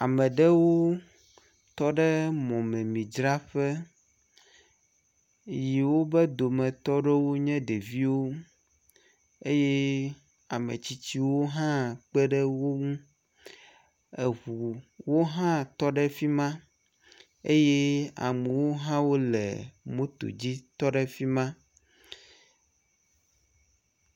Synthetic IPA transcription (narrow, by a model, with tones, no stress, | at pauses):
a˨mɛ̃˨ɖɛ˦wo˦ | t̪ɔ˦ɖɛ˦mɔ̃˨mɛ̃˨mĩ˨d͡ʒɾa˦ɸɛ˦ | ji˨wo˦bɛ˦d̪o˨mɛ̃˨t̪ɔ˦ɖɛ˦wo˦ɲɛ̃˦ɖe˨vi˦wo˦ | e˦jɛ˦ | a˨mḛ˨t͡ɕi˦t͡ɕi˦wo˦ɦã˦k͡pɛ˦ɖɛ˦wo˦ŋũ˦ | ɛ˨ɦu˨wo˦ɦã˦t̪ɔ˦ɖɛ˦fi˦mã˦ | ḛ˦je˦a̰˨mu˨wo˦ɦã˦wo˦lɛ̰˨mõ˦t̪o̰˨d͡ʑi˦t̪ɔ˦ɖɛ˦fi˦mã˦